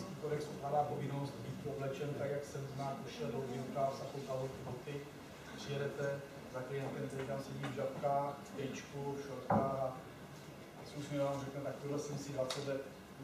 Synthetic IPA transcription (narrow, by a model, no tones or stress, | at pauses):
skiːkoɾɛksoplaːdaːpovɪnnost̪biːt̪kuoblɛt͡ʃɛnt̪aɡjaksɛmznaːkuʃɛlowɡɪk̪afsaxowk̪alot̪ubot̪ɪ | pr̥ɪjɛdɛt̪ɛ | zaklɪjɛnt̪ɛmzɛikaːmsɛmivʒat̪kaft̪ɛjt͡ʃkufʃoɾk̪a | susmɛvaːmrɛknɛt̪akpɪɦlɛsɛmsɪɦlasɛbɛ